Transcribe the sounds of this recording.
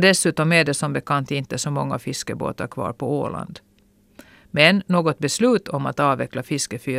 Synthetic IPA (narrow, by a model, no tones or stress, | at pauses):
d̪ɛsʉ̟ːt̪ɔmæɖɛsɔmbɛkʰant̪ɪnt̪əsɔmɔŋːafɪskəbo̰ːt̪aɾkʰvɑ̰ːɾpʰɔo̰ːla̰nd̪ | mɛnːoːɡɔt̪̚bɛslʉ̟ːt̪ʰɔma̰t̪ɑːvɛklafɪskəfyː